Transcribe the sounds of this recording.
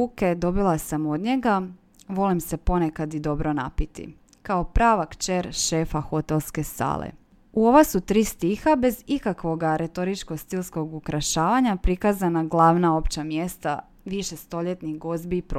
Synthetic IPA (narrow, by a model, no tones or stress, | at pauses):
uked̪o̞bilˠasamo̞d̪ɲe̞ɡa | ʋo̞limse̞po̞nekad̪id̪o̞bɾo̞napit̪ḭ | kaopɾaːʋakt͡ʃeɾʃe̞faxo̞t̪e̞lˠske̞sa̰ːlḛ | uo̞ʋasut̪ɾiːst̪ixabe̞zikakʋo̞ɡaɾe̞t̪o̞ɾit͡ʃkost̪ilsko̞ɡukɾaʃaːʋaɲapɾikazanaɡlˠaːʋnao̞pt͡ɕamje̞st̪a̰ | ʋiʃest̪o̞ʎe̞t̪niɣɡo̞zbiːpɾ